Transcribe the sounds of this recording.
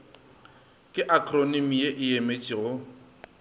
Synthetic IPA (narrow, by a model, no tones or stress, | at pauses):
kʼɪʔakʰʼronimijeʔɪjemet͡ʃʼɪɣʊ